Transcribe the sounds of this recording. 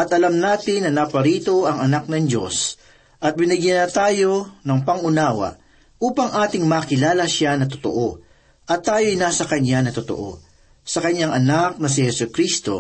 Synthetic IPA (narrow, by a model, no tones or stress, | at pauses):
ʔɐt̪ɐlamnaːt̪ɪnːɐnaːpɐɾiːt̪o̞ʔɐŋɐnak̚nɐŋd͡ʒo̞̰s | ʔɐt̪̚bɪnɪɡjanɐt̪aːjo̞nɐŋpɐŋʊnaːwɐ̰ʔ | ʔuːpɐŋʔaːt̪ɪŋmaːkɪlaːlɐʃanɐt̪̬ʊt̪o̰ʔo̞ | ʔɐt̪ːaːjo̞jnaːsɐkɐɲːanɐt̪ot̪o̰ʔo̞̰ | sɐkɐɲːaŋɐnak̚nɐs̬ɪhɛsʊkɾist̪o̞